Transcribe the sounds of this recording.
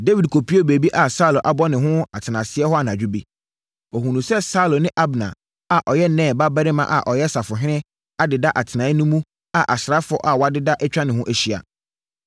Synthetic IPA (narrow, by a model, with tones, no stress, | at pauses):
de˦vi˨d̚kʰo˨pʰi˦o˦˨be˨bi˦ʔa˨sa˦˨lõ˨ʔa˨bɔ˦nɪ̃˨ɦʊ̃˦a˨tʰɪ˨nã˨sɪ˦ɛ˦hɔ˦a˨nã˨d͡ʑᶣu˦bi˦ | ɔ˨ɦũ˨nũ˨sɛ˦sa˦lo˨nɪ̃˦ʔa˦bnã̰˨ | a˨ʔɔ˨jɛ˦nɛ̃ː˦˨ba˦ba˦ɾɪ˦mã̰˦ʔa̰˨ʔɔ˨jɛ˦sa˨fʊ˨ɦɪ̃˦nɪ̃˦ | a˨dɪ˨da˦ʔa˨tʰɪ˨nã˨˦nũ˦mũ˦ | a˨ʔa˨sɾa˦fʊ̰˦ʔa˨wɔ˨a˦dɪ˦da˦ʔɛ˦t͡ɕᶣa˦nɪ̃˨hʊ̃˦ʔæ˨ɕi˦a̰˨